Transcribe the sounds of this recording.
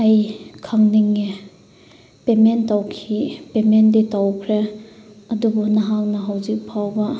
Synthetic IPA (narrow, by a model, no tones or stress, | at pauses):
ajkʰaŋniŋːe | pementawkʰipemenditawkʰɾe | ɐdubunɐɦaŋnɐɦawzik̚pʰawbɐ